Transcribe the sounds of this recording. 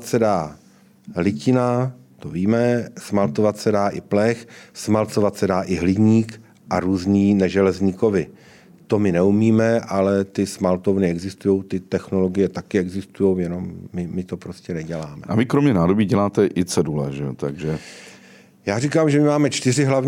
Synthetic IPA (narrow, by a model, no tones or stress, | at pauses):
t̪sɛdaː | ɦlɪcɪnat̪oviːmɛsmalt̪o̞vat̪sɛdaːʔɪplɛxsmalt̪t͡so̞vat̪sɛdaːʔɪɦlɪɟɲiːk | ʔaɾuːzɲiːnɛʒɛlɛzɲɪko̞vɪ | t̪o̞mɪnɛumiːmɛʔalɛt̪ɪsmalt̪ovnɪɛɡzɪst̪ujo̞wt̪ɪt̪ɛxno̞lo̞ɡɪjɛt̪akɪɛɡzɪst̪ujo̞wjɛno̞mːɪmɪt̪o̞pɾo̞scɛnɛɟɛlaːmɛ̰ʔa̰vɪkɾomɲɛnaːdobiːɟɛlaːt̪ɛʔɪt͡sɛdulɛ̰ʒɛot̪aɡʒɛ | jaːrikaːmʒɛmɪmaːmɛt͡ʃt̪ɪrɪɦlavɲ